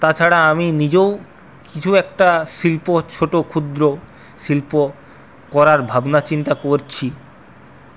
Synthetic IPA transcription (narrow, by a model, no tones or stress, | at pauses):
t̪at͡ɕʰaɾaaminid͡ʑew | kit͡ɕʰuɛk̚ʈaʃilpot͡ɕʰoʈokʰud̪ɾo | ʃilpo | kɔɾaɾbʱabnat͡ɕint̪akoɾt͡ɕʰi